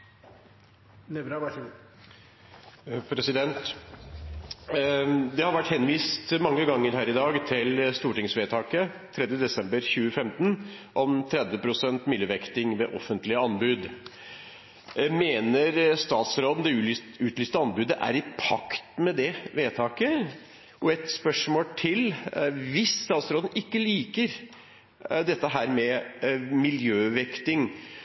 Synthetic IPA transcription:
nɛʋɾ | pʰɾɛsɪd̪ɛnt̪ | d̪ɛhɑɾʋæʈːhɛnʋiːst̪mɑŋːəɡɑŋːəɾɦæːɾɪd̪ɑːɡt̪ʰɪlst̪uːʈɪŋsʋeːt̪ʰɑːkət̪ʰɾɛd̪jəd̪ɛsɛmbəɾçʉːəfɛmt̪nʔɔmt̪ʰɾɛd̪ʋəpʰɾʊsɛnt̪mʏləʋɛkt̪ɪŋʋɛ̰ʔɔfənt̪lɪəɑnbʉːd̪ | meːnəɾst̪ɑːt̪sɾoːd̪ən̩d̪ɛʉ | ʉːt̪lyːst̪əɑnbʉːd̪əʔæ̰ɾɪpʰɑkt̪mɛd̪ɛʋeːt̪ʰɑːkə | ʔɔɛt̪spœʂmoːlʈ̪ʰɪlʋɪsːt̪ɑːt̪sɾoːd̪n̩ɪkːəliːkəɾ | d̪ɛt̪ːəɦæːɾmɛ | mɪljøːʋɛkt̪ɪŋ

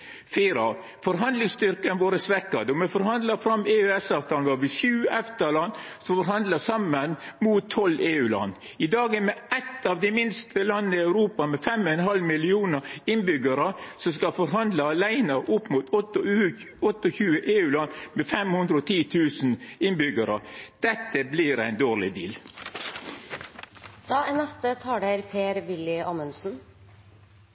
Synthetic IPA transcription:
fiːɾɑ | fɔɾɦɑnd̪lɪŋst̪ʏɾkənʋoːɾəsʋɛkːɑd̪ɔmɛfɔɾhɑnd̪lɑfɾɑmeːʉːɛsɑːʋt̪ʰɑːlnʋɑːɾʋɪʃʉːʔɛft̪əlɑnsɔfɔɾhɑnd̪ləsɑmənmuːt̪ʰːɔlʔeːʉːlɑ̰nː | ɪd̪ɑːɡəmɛʔɛt̪ːɑːʋd̪ɛmɪnst̪ʰəlɑnːəɪɑʉɾuːpɑmɛfɛmɛnɦɑlmɪlɪuːnəɾɪnbʏɡəɾəsɔmskɑfɔɾɦɑnd̪ləɑlæɪnəʔʊpːmuːt̪ː | ɔt̪ːɔçʉːəʔeːʉːlɑnːmɛfɛmhʉnd̪ɾəɔt̪ʰiːt̪ʰʉːsn̩ɪnbʏɡəɾəd̪̥ɛt̪ːəbliɾæɪnd̪oːʁlɪd̪ḭːl | d̪̥ɑːɛnɛst̪ət̪ʰɑːɖeɾpʰeːɾʋɪlɪɑːmənsn̩

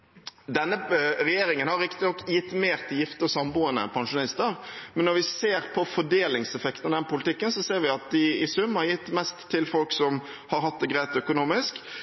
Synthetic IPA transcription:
d̪ɛnːəɾɛjeːɾɪŋənhɑɾːɪkt̪ɪnɔkːjɪt̪ːmeːʁt̪ʰːɪljɪft̪əɔsɑmbuːənə̰pʰɑŋʂʊnɪst̪əɾmɛnːɔɾʋɪseːɾpʰɔfɔɖeːlɪŋsɛfɛkt̪ənɑd̪ɛnəpʊlɪt̪ʰɪkːənsɔseːɾʋɪɑt̪̚d̪ɪɪsʉmːəɾjɪt̪ːmɛst̪ʰːɪlfɔlksɔm | hɑɾɦɑt̪̚d̪ɛɡɾæɪt̪œkʊnuːmɪsk

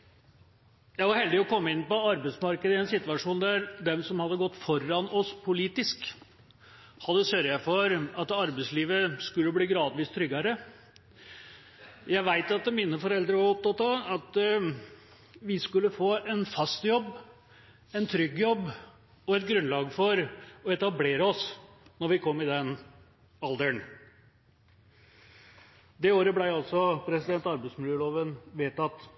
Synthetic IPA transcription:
jæɪʋɑɾhɛld̪ɪɔkʰɔmːəɪnːpɔɑɾbæɪsmɑɾkəd̪əɪɛnsɪt̪ʋɑʂuːnd̪æɾd̪ɛmsɔmhɑd̪ːəɡɔt̪ːfɔɾɑnɔspʰʊliːt̪ɪsk | hɑd̪ːəsœɾjæfɔɾɑt̪ɑɾbɛɪsliːʋəskʉlːəbliːɡɾɑːd̪ʋiːst̪ʰɾʏɡːɑɾə | jæɪʋæɪt̪ɑt̪miːnəfɔɾɛld̪ɾəʋɑɾɔp̚t̪ɑt̪ɑɑt̪ | ʋɪskʉlːəfoːɛnfɑst̪jɔbː | ɛnt̪ʰɾʏɡːjɔbː | ɔɛt̪̚ɡɾʉnlɑːɡfɔɾɔɛt̪ɑbleːɾəɔs | nɔɾʋɪkʰɔmːɪd̪ɛn | ɑld̪əɳ | d̪ɛoːɾəblæɪɑlsɔpʰɾɛsɪd̪ɛnt̪ɑɾbæɪsmɪljəːloːʋənʋeːt̪ɑt̪

